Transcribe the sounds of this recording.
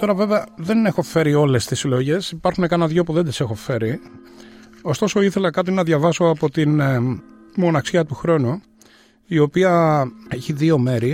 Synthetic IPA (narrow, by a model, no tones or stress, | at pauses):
t̪o̞ɾɐve̞veɐðe̞ne̞xo̞fe̞ɾio̞le̞st̪isiloʝe̞sipɐɾxune̞kɐnɐðʝo̞puðe̞nd̪ise̞xo̞fe̞ɾi | o̞st̪o̞so̞iθe̞lɐkɐt̪inɐðʝɐvɐso̞ɐpo̞t̪in | mo̞nɐksiɐt̪uxɾo̞nu | io̞piɐeçiðio̞me̞ɾi